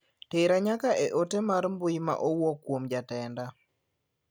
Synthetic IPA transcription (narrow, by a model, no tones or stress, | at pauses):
teɾaɲakaʔeʔotemaɾmbʊjma̰ʔowɔkːwomd͡ʒatɛnda